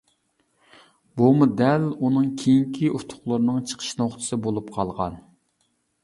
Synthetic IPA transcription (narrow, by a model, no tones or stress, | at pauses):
bumud̪ɛlunɨŋkʲʰejiŋkʲʰiut̪ʰʊ̥χlˠʊɾnɨŋt͡ʃʰə̥qʰə̥ʃnoχt̪ʰɨ̥sɨbolˠupqʰɑlˠʁɑ̰n